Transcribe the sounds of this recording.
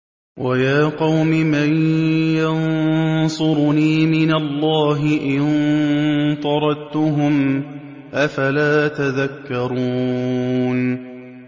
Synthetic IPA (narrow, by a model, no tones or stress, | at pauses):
wʔajaːqɑwmɪmanjɑnsˤʊɾniːmɪnalːaːɦɪʔɪnn | t̪ˤɑɾˤɑd̪t̪ʊɦʊm | ʔafalaːt̪aðakːɑɾˤuː | n